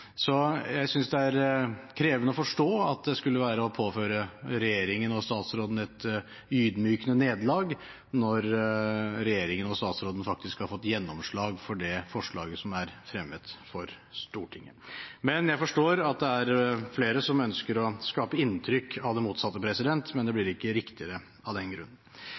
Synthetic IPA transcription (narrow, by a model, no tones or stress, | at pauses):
sɔjæɪsʏnsd̪ɛæɾkʰɾeːʋənəɔfɔʂʈoːɑt̪̚d̪ɛskʉlːəʋæːɾəɔpʰoːføːɾəɾɛjeːɾɪŋənɔst̪ɑːt̪sɾoːd̪n̩ɛt̪ | yːd̪myːkənəneːd̪lɑːɡ | nɔɾ | ɾɛjeːɾɪŋənɔst̪ɑːt̪sɾoːd̪ən̩fɑk̚t̪ɪskhɑɾfɔt̪ːjɛnːɔmʂɭɑːɡfɔɖɛfɔʂɭɑ̰ːɡəsɔmæɾfɾɛmːət̪fɔɾ | st̪uːʈʰɪ̰ŋːəmɛnjæɪfɔʂʈoːɾɑt̪̚d̪ɛæɾfleːɾəsɔmœnskəɾɔskɑːpəɪnt̪ʰɾʏkːɑʋd̪ɛmuːt̪sɑt̪ːəpʰɾɛsɪd̪ɛnt̪mɛnd̪ɛblɪɾɪkːəɾɪkt̪ɪəɾə | ɑʋd̪ɛnɡɾʉ̰nːən